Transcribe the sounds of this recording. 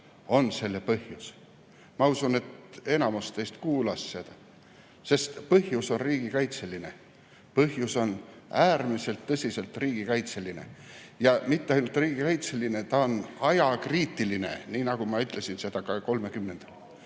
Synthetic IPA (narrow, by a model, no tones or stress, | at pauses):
o̞nse̞lːepɤhjus | mɑusune̞t̪e̞nɑmust̪ejst̪kuːlɑsːe̞d̪̥ɑ | se̞st̪pɤɦjuso̞nriːɡ̥ikɑjt̪se̞line̞̰ | pɤɦjuso̞næːrmise̞lt̪ːɤsʲise̞lt̪riːɡ̥ikɑjt̪se̞line̞̰jɑmit̪ːeɑjnult̪ˑriːɡ̥ikɑjt̪se̞line̞t̪ɑonɑjɑkriːt̪ːˑiline̞̰niːnɑɡ̥umɑyt̪ˑle̞sinse̞d̪̥ɑkɑko̞lme̞kymːe̞nd̪̥ɑl